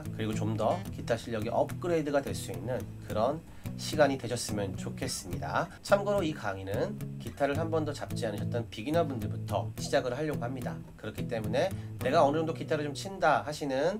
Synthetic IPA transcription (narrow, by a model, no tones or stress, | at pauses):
kɯɾiɡot͡ɕomdʌkitʰaɕʰiʎːʌɡiʔʌp̚k͈ɯɾedɯɡadwe̞ɭs͈uinːɯnkɯɾʌn | ɕʰiɡaɲidwe̞ɕʰʌs͈ɯmjʌnt͡ɕokʰe̞s͈ɯmɲida̰t͡ɕʰamɡʌɾoikaŋinɯnkitʰaɾɯɭhambʌndʌt͡ɕap̚t͡ɕ͈ianɯɕʰʌt͈̚ʌnpiɡinabundɯɭbutʰʌɕʰid͡ʑaɡɯɾɦaʎːʌɡohamɲida | kɯɾʌkʰit͈e̞mune̞ne̞ɡaʌnɯd͡ʑoŋdokitʰaɾɯɭt͡ɕomt͡ɕʰindahaɕʰinɯn